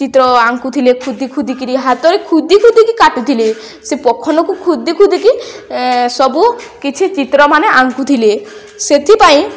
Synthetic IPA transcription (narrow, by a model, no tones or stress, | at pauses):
t͡ʃit̪ɾɔaŋkut̪ʰilekʰud̪ikʰud̪ʱikiɾiɦat̪ɔɾekʰud̪ikʰud̪ʱikikaʈut̪ʰile | sepɔkʰɔnɔkukʰud̪ikʰud̪ʱiki | sɔbukit͡ʃʰit͡ʃit̪ɾɔmaneaŋkut̪ʰile | set̪ʰipaĩ